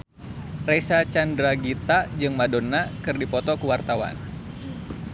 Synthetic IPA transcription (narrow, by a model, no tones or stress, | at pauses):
resat͡ʃandɾaɡit̪ad͡ʒɨŋmadonːakɨrdipɔt̪ɔkəwart̪awa̰n